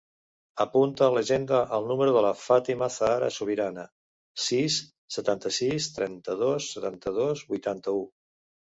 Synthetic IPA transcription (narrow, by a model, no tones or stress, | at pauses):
əpunt̪ələʒend̪əʔəlˠnuməɾuðələfat̪iməθaaɾə̰suβiɾanə | sisː | ət̪ant̪əsist̪ɾɛnt̪əðosːət̪ant̪əðozbujt̪ant̪əu